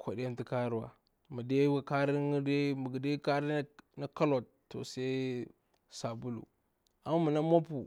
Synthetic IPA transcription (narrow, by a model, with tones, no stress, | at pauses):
kʰo˨di˦a˦n˦ti˦ka˦ɾu˦wa˨ | ma˨de˦ɡa˦ka˦ɾi˦de˦mə˨ɡi˨de˦ka˦ɾi˦na˦ka˦lo˨t | tːo̰˨se˦ | sa˨bu˦lṵ˨ | a˨mu˦mu˨na˦mo˦pu˨